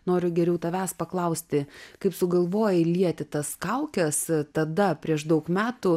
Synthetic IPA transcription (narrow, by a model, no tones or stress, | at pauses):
noːɾʲʊɡʲɛɾʲɛʊt̪ɐʋʲæːspɐklˠɐʊsʲt̪ʲɪkɐɪpsʊɡɐlˠʋoːjɛlʲiɛt̪ʲɪt̪ɐskɐʊkʲɛst̪ɐd̪ɐpʲɾʲiɛʃd̪ɐʊkmʲæːt̪ʊ